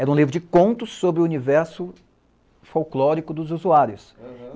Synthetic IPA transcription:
ɛɾũlivɾʊd͡ʒɪkõnt̪ʊsːobɾɪʊunivɛɾsʊ | fowklɔɾikʊd̪ʊzuzuaɾjʊs

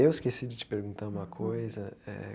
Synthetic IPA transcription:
ewɪskesid͡ʒɪt͡ʃɪ̥peɾɡũnt̪aɾũmɐkʰojzɐɛ̰

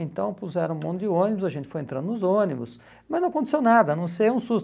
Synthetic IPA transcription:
ẽnt̪ɐ̃w̃puzɛɾɐ̃mõd̪ʊd̪ɪõnɪbʊzɐʒẽnt̪ɪ̥fojẽnt̪ɾɐ̃nd̪ʊnʊzõnɪbʊs | mɐznɐ̃w̃ɐkõnt̪e̥sewnad̪ɐnɐ̃w̃sejũsus

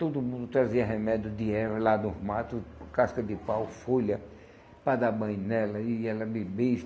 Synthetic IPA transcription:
t̪od̪ʊmũnd̪ʊt̪ɾaziɐɦemɛd̪jʊd̪ɪɛvɐlad̪ʊzmat̪ʊkaskɐd̪ɪpawfoʎɐ | pad̪abɐ̃j̃nɛlɐɪɛlɐbebiʃ

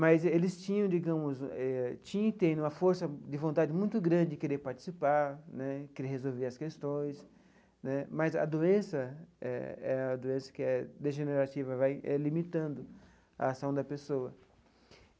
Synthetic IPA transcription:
mazelɪst͡ʃĩɲɐ̃d͡ʒiɡɐ̃mʊzɛt͡ʃĩɲ̃t̪ẽjnũmɐfoɾsɐd̪ɪvõnt̪ad͡ʒɪmũj̃t̪ʊɡɾɐ̃d͡ʒɪɪkeɾeɾpaɾt͡ʃi̥sipaɾnɛkeɾeɾhezowveɾɐskest̪õj̃s | nɛmazɐ̰d̪oẽsɐɛ̰ɛɐd̪oẽsɐ̥kɪɛd̪eʒeneɾat͡ʃivɐvajɛ̰limit̪ɐ̃nd̪ʊ | a̰ːsɐ̃w̃d̪ɐpesoɐ

